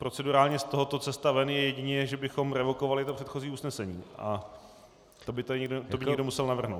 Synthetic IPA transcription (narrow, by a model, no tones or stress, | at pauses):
pɾo̞t͡sɛduɾaːlɲɛst̪o̞ɦot̪o̞t͡sɛst̪avɛnjɛjɛɟɪɲɛʒɛbɪxo̞mɾɛvo̞ko̞valɪt̪opr̥ɛt̪xo̞ziːusnɛsɛɲḭːʔa̰ | t̪obɪt̪oɲɛɡdot̪obɪɲɲɛɡdomusɛlnavr̩ɦnowt̪